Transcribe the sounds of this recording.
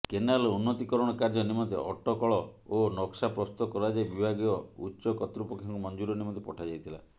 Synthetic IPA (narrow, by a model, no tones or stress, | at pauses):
kenalunːɔt̪ikɔɾɔɽ̃ɔkaɾd͡ʒɔnimɔnt̪ḛʔɔʈɔkɔɭɔonɔksapɾɔst̪ɔkɔɾad͡ʒajbibʱaɡiɔutːt͡ʃɔkɔt̪ɾupɔkʰjaŋkumɔnd͡ʒuɾɔnimɔnt̪̬epɔʈʰad͡ʒajt̪ʰila̰